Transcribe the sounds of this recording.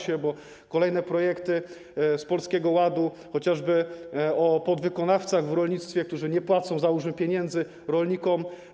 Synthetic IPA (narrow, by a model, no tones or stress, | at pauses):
ɕɛbɔ | kɔlɛjnɛpɾɔjɛkt̪ɘ | spɔlskʲɛɡɔwad̪u | xɔt͡ɕaʐbɘɔpɔd̪vɘkɔnaft̪saɣvɾɔlɲit̪st̪fʲjɛkt̪uʐɘɲɛpwat̪sɔ̃w̃zaɾuʐmɛpʲjɛɲɛnd̪zɘ | ɾɔlɲikɔm